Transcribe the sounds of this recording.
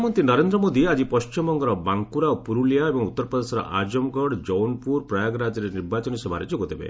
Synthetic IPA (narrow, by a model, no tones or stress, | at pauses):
mɔnt̪inɔɾend̪ɾɔmod̪iad͡ʒipɔst͡ʃimɔŋɡɔɾɔbaŋkuɾaopuɾulijaebɔŋut̪ːɔɾpɔd̪esɔɾɔ̰ʔad͡ʒɔmɡɔɽd͡ʒɔwnpuɾpɾɔjaɡɾad͡ʒɔɾeniɾbat͡ʃɔnisebʱaɾed͡ʒoɡɔt̪ʰibḛ